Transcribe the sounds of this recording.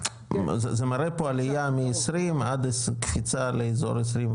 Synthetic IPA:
zezemaɾepoalijamiesɾimad̪eskfit͡saleizo̰ɾesɾim

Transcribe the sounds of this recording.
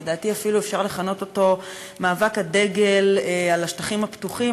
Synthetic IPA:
daːt̪iafiluefʃaʁle̞χano̞to̞to̞ | maːvakhade̞ɡe̞lalaʃtaχimhaptuχi

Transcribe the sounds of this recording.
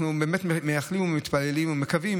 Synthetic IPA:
nubeːmetmmejaχlimumit̪palelimumekavim

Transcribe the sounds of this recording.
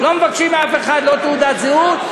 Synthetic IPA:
lo̞mevakʃimafeχad̪lo̞t̪eud̪at̪zeut̪

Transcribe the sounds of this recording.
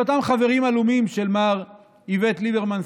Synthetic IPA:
otamχave̞ʁimalumimʃelmaʁ | ivet̪libeʁmans

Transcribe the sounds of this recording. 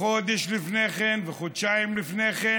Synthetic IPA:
od̪eʃlifneχenveχod̪ʃaimlifneχe

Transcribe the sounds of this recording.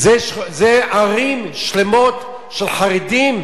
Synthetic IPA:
zeʃzeaʁimʃlemot | ʃelχaʁid̪im

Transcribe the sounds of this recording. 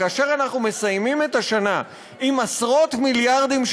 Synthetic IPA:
aːʃe̞ʁanaχnume̞sajmimet̪aʃana | imasʁo̞t̪miljaʁd̪imʃ

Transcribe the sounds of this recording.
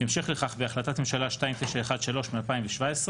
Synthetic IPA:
imʃeχleχaχveaχlat̪at̪nemʃalaʃtaimt̪ɛʃeeχad̪ʃalo̞ʃmialpaimveʃvaesʁe

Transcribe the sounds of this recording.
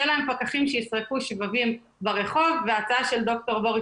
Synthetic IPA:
elae̞mpakaχimʃejisʁekuʃvavim | baʁe̞χo̞vːeat͡saaʃe̞ld̪o̞k̚to̞ʁbo̞ʁi

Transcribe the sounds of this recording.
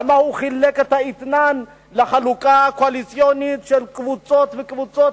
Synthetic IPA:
mahuχileket̪hait̪nan | leχalukakoalit͡sjonit̪ʃelkvut͡sot̪vekvut͡sot̪

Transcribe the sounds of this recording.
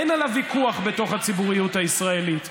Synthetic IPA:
enalavikuaχbeto̞χhat͡sibuʁijutaisʁae̞lit

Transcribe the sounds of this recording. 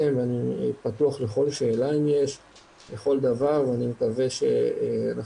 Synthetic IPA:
emveanipat̪uaχleχo̞lʃe̞ːlaimje̞ʃ | leχo̞ld̪avaʁveanimekave̞ʃe̞̰ana

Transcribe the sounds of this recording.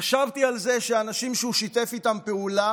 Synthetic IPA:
ʃavt̪ialze̞ʃeanaʃimʃeuʃit̪e̞fit̪ampe̞ula

